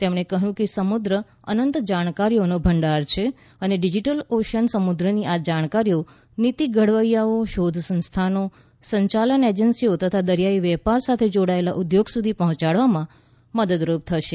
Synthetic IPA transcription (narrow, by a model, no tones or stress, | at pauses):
t̪emɽ̃ekəɦjũkesəmud̪ɾə | ə̰nənt̪d͡ʒaɽ̃kaɾijonobʱəɳɖaɾt͡ʃʰe | əneɖid͡ʒiʈəloʃənsəmud̪ɾəniʔad͡ʒaɽ̃kaɾijo | nit̪iɡəɽʋəjjaoʃod̪ʱsə̃nst̪ʰano | səɲt͡ʃaləned͡ʒənsiot̪ət̪ʰad̪əɾjaiʋɛpaɾsat̪ʰed͡ʒoɽaelaʔud̪joɡsud̪ʱipɔɦɔ̃t͡ʃaɭʋamã | məd̪əd̪ɾup̚t̪ʰəʃe